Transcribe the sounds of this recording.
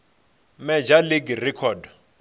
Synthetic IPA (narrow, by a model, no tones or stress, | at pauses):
mɛd͡ʒaliɡirɛkʰɔd